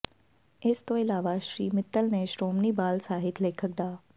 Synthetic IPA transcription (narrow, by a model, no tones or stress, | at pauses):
ɪst̪oɪlaːʋaʃɾiːmɪt̪ːəlneʃɾoːmnibaːlsaːɦɪt̪ʰleːkʰək̚d̪aː